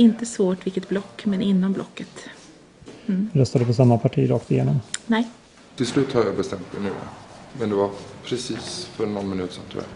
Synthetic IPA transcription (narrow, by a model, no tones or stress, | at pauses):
ɪnt̪əsvoːʈvɪlkːət̪̚blɔkːmɛnɪnːɔmblʔɔ̰kːət̪ | ɾœst̪ad̪əpɔs̬amːapʰaʈʰiːɾɑːkt̪ɪjḛːnɔmnɛj | t̪ʰɪlslʉ̟ːt̪haɾjabɛst̪ɛmt̪̚mɛnʉ̟ːja̰mɛnd̪ɛvaɾpʰɾɛsiːsfœɾnɔnmɪnʉ̟ːt̪sɛ̰nt̪ʰɾṵa̰